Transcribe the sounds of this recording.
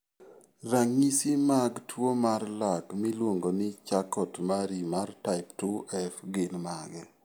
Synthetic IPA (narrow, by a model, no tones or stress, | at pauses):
raŋisimaɡtwomarlakmilwoŋɡonɪt͡ʃakɔtmaɾimartaɪptuʔɛfɡɪlmaɡɛ